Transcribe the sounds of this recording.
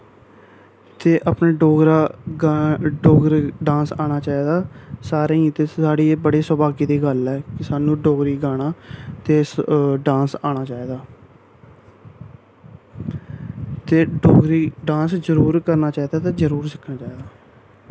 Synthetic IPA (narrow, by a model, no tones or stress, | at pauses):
t̪eːʔəpneːɖoːɡɾaː | ɖoːɡɾɖãːsaːɽ̃aːt͡ʃaːiːd̪aːsaːɾeːĩt̪eːaːɽiːbəɽeːsəbaːɡiːd̪iːɡəlɛːkɪsaːnũːɖoːɡɾiːɡaːɽ̃aːt̪eːɖãːsaːɽ̃aːt͡ʃaːiːd̪aː | t̪eːɖoːɡɾiːɖãːszəɾuːɾkəɾnaːt͡ʃaːiːd̪aːt̪eːd͡ʒəɾuːɾsəkʰnaːt͡ʃaːiːd̪aː